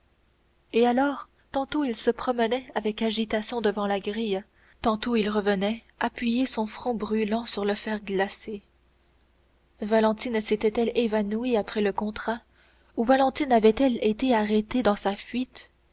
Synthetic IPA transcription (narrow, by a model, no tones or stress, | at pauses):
ealɔːʁ | t̪ɑ̃t̪oilsəpχɔmənɛavɛkaʒit̪asjɔ̃d̪əvɑ̃laɡʁij | t̪ɑ̃t̪oilʁəvənɛ | apɥijesɔ̃fχɔ̃bʁylɑ̃syʁləfɛːʁɡlase | valɑ̃t̪inset̪ɛt̪ɛlevanuiapχɛləkɔ̃t̪χa | uvalɑ̃t̪inavɛt̪ɛlet̪eaʁet̪ed̪ɑ̃safɥit̪